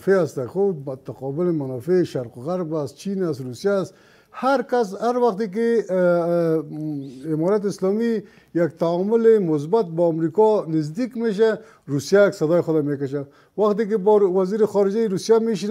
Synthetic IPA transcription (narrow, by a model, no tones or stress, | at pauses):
feast̪axoʊt̪aqɔbɪlemanɔfeʃaɾqoɣaɾbast̪̚t͡ʃinast̪ɾusijast̪ | haɾkas̬haɾwaxt̪ek̬e | ɪmɔɾat̪̬ɪslɔmi | jak̚t̪aɔmʊlemʊs̬bat̪̚bɔamɾikɔnɪzd̪ikmeʃ̬a | ɾusijaksad̪ɔjexʊd̪amekaʃ̬a | waxt̪̬ek̬ebwaziɾɪxɔɾɪd͡ʒajɾusjameʃin